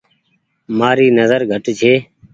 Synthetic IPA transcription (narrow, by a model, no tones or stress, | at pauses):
maːɾiːnəzəɾɡʱəʈt͡ʃʰeː